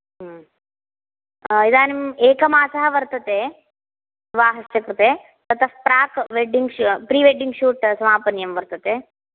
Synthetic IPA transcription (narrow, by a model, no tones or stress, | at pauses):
ɦ | id̪aːnimeːkɐmaːsɐɦɐʋɐɾt̪ɐt̪eː | ʋaːɦɐsɐkɾut̪eː | t̪ɐt̪ʰɐfpɾaːkʋeɖiŋɡpɾiːʋeɖiŋɡʃuːʈsɐmaːpɐnjɐmʋɐɾt̪ɐt̪eː